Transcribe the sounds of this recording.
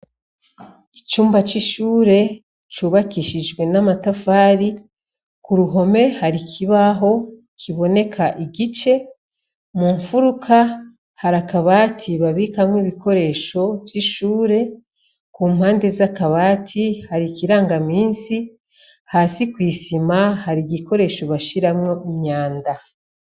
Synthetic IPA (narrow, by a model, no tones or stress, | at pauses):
it͡ʃuːmbat͡ʃiʃuːɾe̞ | t͡ʃuβakiʃid͡ʒɡwe̞namatafaːɾi | kuɾuɦo̞me̞haɾikʰiβaɦo̞ | kiβo̞ne̞kʰaʔiɡit͡ʃe̞ | muɱfuɾukʰa | haɾakaβaːtʰiβaβikamwiːβikʰo̞ɾe̞ːʃo̞vjiʃuːɾe̞ | kuːmhaːnde̞zakaβaːtʰihaɾikiɾaːŋɡamiːnsi | hasikwiːsimahaɾiɟiko̞ɾe̞ʃo̞βaʃiɾamŋo̞imɲaːnda